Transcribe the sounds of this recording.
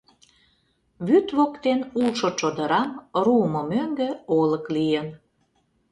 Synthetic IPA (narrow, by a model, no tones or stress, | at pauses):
βyt̪βokt̪enulʃot͡ʃod̪əɾɑmruəmŏmøŋɡĕoləklijən